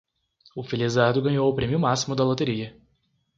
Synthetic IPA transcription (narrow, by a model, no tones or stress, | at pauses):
ʊfelizaɾd̪ʊɡɐ̃ɲowʊpɾẽmjʊmasimʊd̪ɐlot̪eɾiɐ